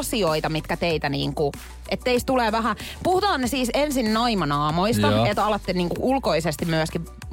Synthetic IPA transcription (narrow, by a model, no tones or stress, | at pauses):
sioit̪ɑmit̪kæt̪eit̪ænḭːŋku | ʔet̪ːeist̪uleːʋæɦæpuhut̪ɑːnnesiːsensinnoimɑnɑːmoist̪ɑet̪ɑlɑt̪ːenniːŋkuʔulkoisest̪imyæski